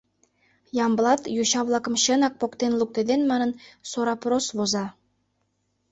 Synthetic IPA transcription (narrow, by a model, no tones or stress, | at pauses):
jɑmblˠɑt̪juɕɑβlˠɑkɤ̆mɕɤ̆nɑk̚pokt̪enlˠuk̚t̪ĕd̪enmɑnɤ̆nsoɾɑpɾosβozɑ